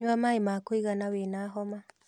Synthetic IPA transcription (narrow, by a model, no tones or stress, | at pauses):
wamaemakoiɣanawenaɦɔma